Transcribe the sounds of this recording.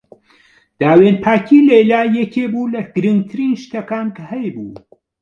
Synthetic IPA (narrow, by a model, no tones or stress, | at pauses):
d̪̥aːweːnpʰaːkʰiːlelaːjekʰʲeːbuːlɐɡ̥ɨɾɨŋɡ̚t̪ʰɨɾiːnʃt̪ɐkaːnkhɐjbuː